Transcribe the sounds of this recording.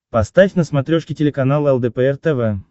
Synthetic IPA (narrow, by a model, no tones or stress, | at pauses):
past̪afʲnəsmat̪ɾʲoʂkʲɪtʲelʲekanalˠɛlˠd̪əpəɛrt̪əvɛ